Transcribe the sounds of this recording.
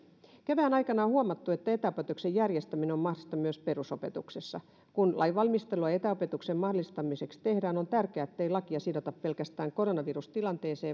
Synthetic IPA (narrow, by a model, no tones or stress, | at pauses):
kæʋæːnɑjkɑnɑohuɑmɑt̪ːuet̪ːæet̪æopet̪uksejærjest̪æmineommɑhdist̪ɑmyøspe̞ɾuso̞pe̞t̪uksesːɑ | kunlʔɑ̰jʋɑlmist̪eluɑet̪æope̞t̪uksemmɑholist̪ɑmise̞kst̪ehdæːno̞nt̪ærkeæet̪ːeilɑkiɑsidot̪ɑppe̞lkæst̪æːŋko̞ɾo̞nɑʋirust̪ilɑnt̪e̞ːseː